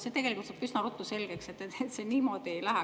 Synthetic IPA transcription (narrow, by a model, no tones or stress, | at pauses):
se̞t̪e̞ɡelikult̪sɑpysnɑrut̪ːˑuse̞lɡ̥ekse̞t̪ːeet̪se̞niːmo̞ːd̪̥ie̞jlæɦɛ